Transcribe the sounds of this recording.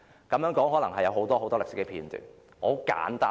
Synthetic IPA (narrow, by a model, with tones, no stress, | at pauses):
kɐ˨˧mjœː˨˥ŋkɔː˨˥ŋɦɔː˨˥lɐ˨˩ŋɦɐ˨jɐ˨˧wɦo˨˥wt̪ɔː˥ho˨˥wt̪ɔː˥ɪ˨k̚sɪ˥kːɛː˧pʰiː˧nt̪y̰ː˨˩n | ʔɔ˨˧˥ka̰ː˨˥nt̪aː˥